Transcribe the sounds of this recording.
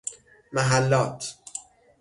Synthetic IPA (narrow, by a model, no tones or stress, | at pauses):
mæɦælːɒːt̪ʰ